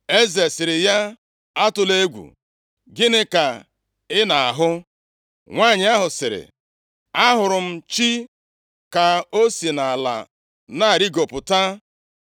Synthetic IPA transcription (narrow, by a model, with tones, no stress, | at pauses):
e˦ze˨sɪ˨ɾɪ˨ja˦ | a˦tʊ˨le˦ɡʷṵ˨ | ɡɪ˦nɪ˦ka˨ | ɪ˦na˨a̰˨ɦʊ˦ | ŋʷaː˦˨ɲɪ˨˦a˦ɦʊ˨sɪ˨ɾɪ̰˨ | a˦ɦʊ˨ɾʊ˨m̩˦t͡ʃi˦ | ka˨o˦si˨na˨a˨la̰˨ | na˦a˨ɾi˦ɡo˨pʊ˨ta˦